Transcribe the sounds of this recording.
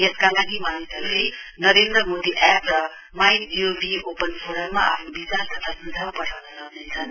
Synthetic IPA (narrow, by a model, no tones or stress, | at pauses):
jeskaŋanimanisalenʌɾend̪ɾʌmod̪iʔɛprʌ | majd͡ziobiopənpʰoɾʌmːaa̰pʰnubit͡salt̪ʌt̪ʰasud͡zʱapʌʈʰawnasʌknet͡sʰʌn